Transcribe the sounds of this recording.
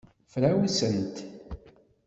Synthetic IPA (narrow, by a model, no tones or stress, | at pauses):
fɾæwisənt̪